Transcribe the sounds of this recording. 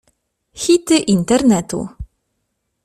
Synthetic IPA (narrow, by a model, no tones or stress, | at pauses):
xit̪ɘʔint̪ernɛt̪ṵ